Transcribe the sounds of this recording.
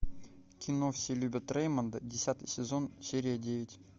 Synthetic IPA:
kʲɪnofsʲelʲubʲət̪rejmənd̪ədʲɪsʲat̪ɨjsʲɪzo̞nsʲeɾʲɪjədʲevʲɪtʲ

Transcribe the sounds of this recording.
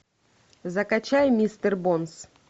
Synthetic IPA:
zɐkɐt͡ɕajmʲist̪ərbons

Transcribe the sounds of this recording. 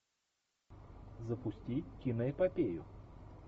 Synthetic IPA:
zəpʊsʲtʲikʲinəjəpɐpʲejʊ

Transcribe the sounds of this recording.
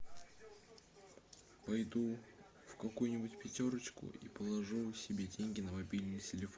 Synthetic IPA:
pɐjd̪u | fkɐkujʊnʲɪbʊtʲpʲɪtʲo̞ɾət͡ɕkʊ̰ʔḭpəlˠɐʐusʲɪbʲedʲenʲɡʲɪnəmɐbʲilʲnɨjtʲɪlʲɪfo

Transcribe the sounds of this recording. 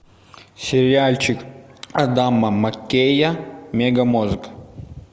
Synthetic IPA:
sʲeɾʲialʲt͡ʃʰikɐd̪amːɐmɐkʲːejɐmʲeɡɐmuzɨkɐ̥

